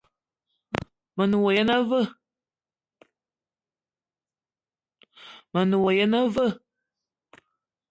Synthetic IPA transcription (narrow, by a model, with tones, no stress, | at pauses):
ma˨nɨ˨wa˨ja˦na˦və˦ | ma˨nu˨wa˨ja˦na˦və˦